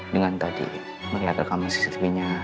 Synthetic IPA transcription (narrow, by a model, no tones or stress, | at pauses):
dəŋant̪adḭ | məɾiat̪akamasi̥sit̪ɾiɲa